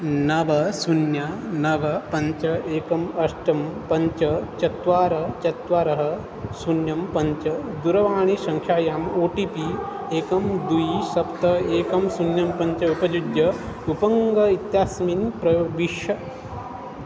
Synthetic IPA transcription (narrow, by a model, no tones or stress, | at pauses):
nɐʋɐsunjanɐʋɐpɐɲt͡ʃɐeːkɐmɐʂʈɐmpɐɲt͡ʃɐt͡ʃɐt̪ʋaːɾɐt͡ʃɐt̪ʋaːɾɐɦɐ | sunjɐmpɐɲt͡ʃɐd̪uɾɐʋaːɳ̃isɐŋkʰjaːjaːmoːʈiːpi | eːkɐmd̪ujisɐpt̪ɐeːkɐmsunjɐmpɐɲt͡ʃɐupɐd͡ʒud̪jɐupɐŋɡɐit̪jaːsminpɾɐʋiʃɐ